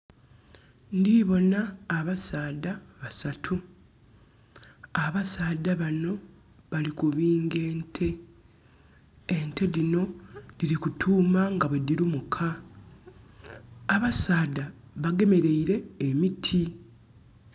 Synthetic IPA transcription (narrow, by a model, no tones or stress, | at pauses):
ndiβo̞naːβasaːdaβasatʰu | aβasaːdaβano̞ | βalikuβiːŋɡe̞ːntʰe̞ | nte̞ɾino̞ðiɾikutʰuːmaŋɡaβwe̞diɾumukʰa | βasaːdaβaɡe̞me̞ɾe̞iɾe̞ːmitʰi